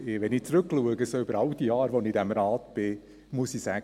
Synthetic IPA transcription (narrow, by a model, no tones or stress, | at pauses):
ʋɛnit͡sɾʏkluəɡəsoːʏbəɾɑldijɑːɾʋonidæmɾɑːt̪b̥ɪ | musisæɡ